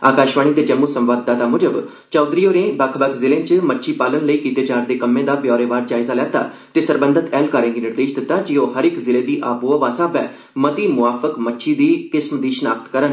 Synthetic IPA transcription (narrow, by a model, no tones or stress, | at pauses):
a̰ːkaːʃʋaːɽ̃iːd̪eːd͡ʒəmːũːsəmʋaːd̪̚ːaːt̪aːmʊd͡ʒəb | t͡ʃɔːd̪ɾiːoːɾẽːbakʰbəkʰzɪlẽːt͡ʃmətːʃʰiːpaːlənləiːkiːt̪eːd͡ʒaːɾd̪eːkəmːẽːd̪aːbjɔːɾeːʋaːɾd͡ʒaːɪzaːlɛːt̪a̰ː | t̪eːsəɾbə̃nd̪ʱət̪ɛːlkəɾẽːɡiːnɪɾd̪eːʃd̪ɪt̪ːaːd͡ʒiːõːɦəɾɪkzɪleːd̪iːʔaːboːəʋaːsaːbɛː | mət̪iːmʊaːfʰəkmətːʃʰiːd̪iːkɪsmd̪iːʃnaːkʰt̪kəɾən